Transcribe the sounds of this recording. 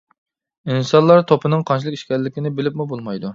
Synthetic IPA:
insɑnlˠɑɾt̪ʰopʰɨnɨŋqʰɑnt͡ʃʰilˠɨki̥ʃkʲɛllːɪkʲɪnɪbɪlɪpmubolˠmɑjd̪u

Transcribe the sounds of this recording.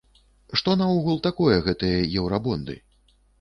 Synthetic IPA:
ʂt̪ɔnɐɔɣulˠt̪akɔjɛɣɛt̪ɨjɐjɛwɾabɔnd̪ɨ̰

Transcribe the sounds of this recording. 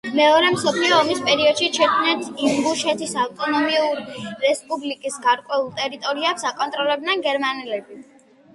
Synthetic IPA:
mɛɔɾɛmsɔpʰliɔːmispʼɛɾiɔd̪̥ʃit͡ʃʰɛkʰmnɛnt̪ʰimbuʃɛt̪ʰisawt̪ʼɔnɔmiuɾɾɛspʼublikʼisɡaɾkʼwɛulˠt̪ʼɛɾit̪ʼɔɾiɛpsakʼɔnt̪ʼɾɔlɛb̚d̪nɛnɡɛɾmanɛlɛbi

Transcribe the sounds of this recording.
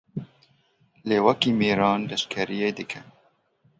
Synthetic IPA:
leːwɐkiːmiːɾɑːnlɛʃkʰɛɾijeːd̪ɨkʰɛ

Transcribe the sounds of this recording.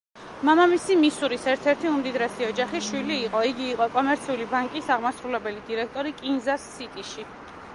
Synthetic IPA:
mamamisimisuɾisɛɾt̪ʰɛɾt̪ʰiumd̪id̪ɾɛsiɔd͡ʒaχiʃwiliːqʼɔiɡiːqʼɔkʼɔmɛɾt̪sʰiulibaŋkʼisaʁmasɾulɛbɛlid̪iɾɛk̚ʰt̪ʼɔɾikʼinzasːit̪ʼiʃi

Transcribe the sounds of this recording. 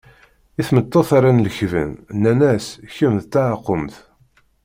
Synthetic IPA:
iθmət̪ˤːɑθaɾˤanləçvə̰nnːænæsçəmθt̪ːaʕəqːəmθ

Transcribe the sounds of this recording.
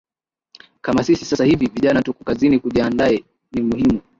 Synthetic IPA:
kamasisisasahiviviʄanatukɔ̥kazinikuʄiandaɛ | nimuhimu

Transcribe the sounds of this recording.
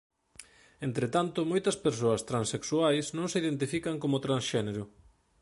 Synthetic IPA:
ent̪ɾet̪ant̪ʊmojt̪ɐspeɾsoɐst̪ɾanseksuajsnõŋseiðent̪ifikɐŋkomʊt̪ɾansʃɛneɾʊ

